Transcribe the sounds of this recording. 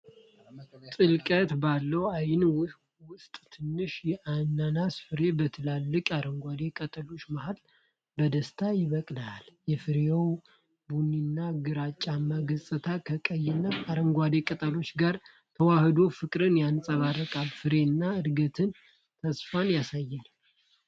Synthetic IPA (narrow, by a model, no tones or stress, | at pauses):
t̪ʼɨlkʼət̪balːəwajɪnwʊsʼ | wʊst̪ʼt̪ʰɨnːɨʃjɛʔanːanasfɨɾe̞bət̪ʰɨlalːɨkʼaɾəŋɡʷad̪e̞kʼət̪ʼəlo̞t͡ʃːmahal | bəd̪əst̪ʰajɪβəkʼlaljɛfɨɾeow | bunːinːaɡɨɾat͡ʃʼːamːaɡəsʼɨt̪ʰakʰəkʼəjːɪnːaaɾəŋɡʷad̪e̞kʼət̪ʼəlo̞t͡ʃːɡaɾ | t̪ʰəwahd̪o̞fɨkʼɾɨnjansʼəβarəkʼalfɨɾe̞nːaɨd̪ɡət̪ʰɨn | t̪ʰəsfanjasajːana